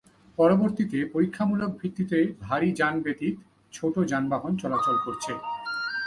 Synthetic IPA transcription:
pɔɾoboɾt̪it̪epoɾikʰːamulok̚bʱɾit̪ːit̪ebʱaɾid͡ʑanbet̪iɾ | t͡ɕʰoʈod͡ʑanbaɦont͡ɕɔlat͡ɕolkoɾt͡ɕʰe

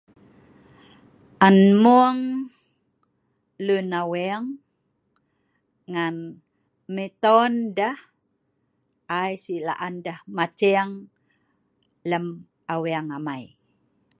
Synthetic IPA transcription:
ʔanmuəŋ | lunawɛaŋ | ŋan | mit̪ɔndah | ʔajsila̰ʔandahmat͡ʃɛaŋ | ləm | aweaŋamaj

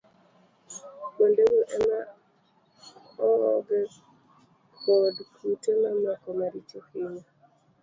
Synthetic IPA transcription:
ɓondewuʔɛma | ɔɔɡɛ | ɔdkʰutemamakɔmaɾit͡ʃokiɲa

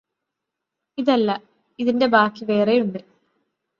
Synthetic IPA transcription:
iðɐlːɐ | iðinde̞baːkːiʋe̞ːrejuɳɖɨ

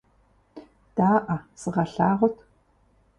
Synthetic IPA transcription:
d̥aːʔɐsɨʁɐɬaːʁʷʊtʰ

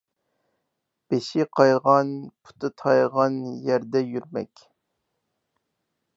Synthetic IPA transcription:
b̥eʃɪqʰɑjʁɑnpʰu̥t̪ʰɨt̪ʰɑjʁɑnjæɾd̪ɛjyɾmɛ̰kʲ

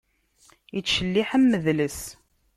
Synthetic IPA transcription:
it͡sːʃəlːiħəmːəðləs

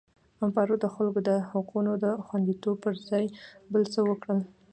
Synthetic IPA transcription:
ampɑɾod̪əxalɡod̪əhʊqunod̪əxwand̪it̪ob̚pəɾzɑjbəlt͡səwəkɽəl

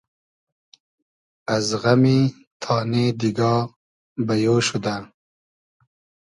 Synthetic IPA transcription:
azɣami | t̪ʰɑːned̪iɡɑː | bajoːʃud̪a

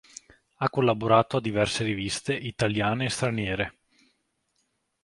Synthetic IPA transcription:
akːolːaboɾaːt̪oad̪ivɛrseɾivist̪eʔit̪aljaːneːst̪ɾanjɛːɾe

